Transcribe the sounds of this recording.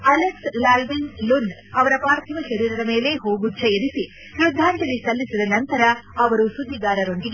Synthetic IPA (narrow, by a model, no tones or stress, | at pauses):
ɐlekslaːlʋinlunɐʋɐɾɐpaːɾt̪ʰɐʋɐʃɐɾiːɾɐdɐme̞ːle̞ɦoːɡudt͡ʃʰɐjed̪isi | ɾud̪ʱːaːɳʈɐlːisɐlːisid̪ɐnɐnt̪ɐɾɐɐʋɐɾusud̪ʱːiɡ̪aːɾɐɾoɳd̪iɡe